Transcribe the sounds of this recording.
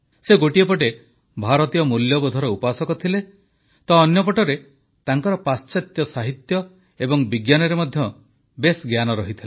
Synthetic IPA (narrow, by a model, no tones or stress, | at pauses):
seɡoʈiepɔʈe | bʱaɾɔt̪ijɔmuljɔbɔd̪ʱɔɾɔupasɔkɔt̪ʰile | t̪ɔːnjɔp̬ɔʈɔɾe | t̪aŋkɔɾɔpast͡ʃat̪jɔsaɦit̪jɔ | ebɔŋbiɡjanɔɾemɔd̪ʱjɔ | besɡjanɔɾɔɦit̪ʰile